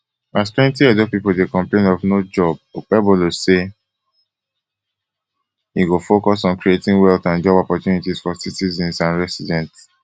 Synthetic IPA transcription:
astlɛ̃ntiɛdopipoldekɔ̃mplẽnɔvnod͡ʒɔb̚ɛboluse | jiɡofokɔsɔ̃nkɹietĩŋwɛlθãnd͡ʒɔbɔpɔtjunitiz̥fɔsitizɛ̃nsãnɹɛsidɛ̃nts

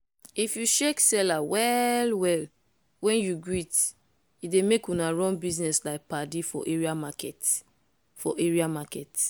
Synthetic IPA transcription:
ifjuʃeksɛlawɛlwɛl | wɛ̃njuɡit | idemekunaɹɔ̃nbiznɛslaɪk̚padifɔ̰ʔeɹiamakɛt | fɔʔeɹiamakɛt

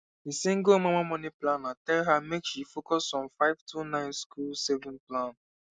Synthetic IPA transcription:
hisẽŋɡomamamɔniplãnatɛlɦamekʃifokɔsɔ̃mfaɪv̥tʰunãɪ̃nskulsɛvɔ̃nplãn

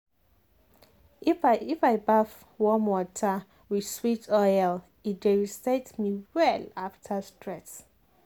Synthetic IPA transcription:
ififajbaf | wɔmwɔtʰə | wi̥switʰɔjl | ideɹistetmiwɛlaftʰəstʰɹɛt

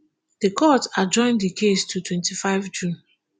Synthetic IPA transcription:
dəkʰɔtad͡ʒɔ̃ɪ̃ndikʰestʰutʰwɛ̃ntifaɪvd͡ʒũn

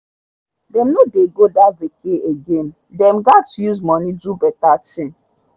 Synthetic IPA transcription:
dɛmnodeɡodavekeeɡẽn | dɛmɡatjuzmɔnidubɛtatĩn

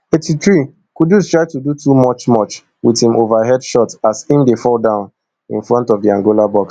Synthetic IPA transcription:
etitɹi | kudjustɹ̥aɪtudutʰumɔt͡ʃmɔt͡ʃ | wiðhĩmovaɦɛdʃɔtasĩmdefɔlˠdãʊ̃n | ḭ̃nfɹɔ̃ntɔvdiãŋɡolabɔks

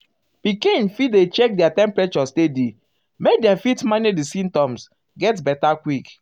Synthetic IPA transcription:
pikĩnfidet͡ʃɛk̚dɛatɛ̃mpɹɛt͡ʃɔstedi | mek̚dɛ̃mfitmanidisĩmtɔ̃ms | ɡɛtbɛtakwik

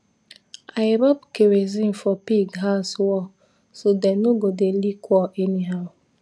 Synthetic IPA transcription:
ajɾɔbkeɾezĩnfɔpiɡɦaswɔ | sodɛnoɡodelikʰwɔʔɛniɦaʊ

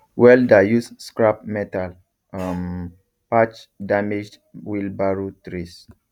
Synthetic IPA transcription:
wɛldajusskɹap̚mɛtal | am | pat͡ʃdamed͡ʒd | wilbaɹutɾis

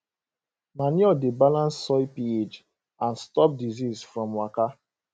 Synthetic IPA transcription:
maniɔdebalãnsːɔɪpied͡ʒ | ãnstɔp̚dizizfɹɔ̃mwaka

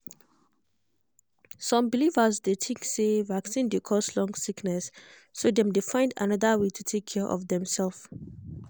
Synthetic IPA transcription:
sɔ̃mbilivəzdetʰɪ̃ŋksevaksĩndekʰɔslɔ̃ŋsiknɛsː | odɛ̃mdefãɪ̃nda̰naðəwetʰutʰekʰːɛʔɔ̰vdɛ̃msɛlf

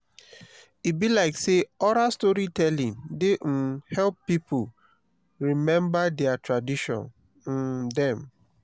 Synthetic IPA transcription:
ibilaɪkseɔɾastɔɹitʰɛlĩndehɛlpːipʰu | ɹimɛ̃mbadɛatʰɹadiʃɔ̰̃n̩ | dɛ̃m

